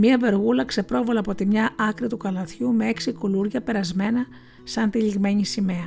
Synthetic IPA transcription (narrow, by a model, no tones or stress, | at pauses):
miɐve̞ɾɣulɐkse̞pɾo̞vɐlɐpo̞t̪imɲɐʔɐkɾit̪ukɐlɐθçumee̞ksikoluɾʝɐpe̞ɾɐzme̞nɐ | sɐnt̪iʎiɣme̞ɲisime̞ɐ